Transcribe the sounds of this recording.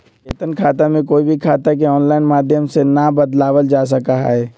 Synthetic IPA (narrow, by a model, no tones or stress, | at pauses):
ḛːt̪ənkʰaːt̪amẽkoːibʱikʰaːt̪ak̬eɔːnlaːɪnmaːd̪ʱjəmsenabəd̪laːwəld͡ʒaːs̬əkaɦɦɛː